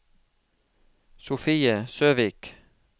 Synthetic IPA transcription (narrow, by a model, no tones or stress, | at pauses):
sʊfiːəsøːʋiːk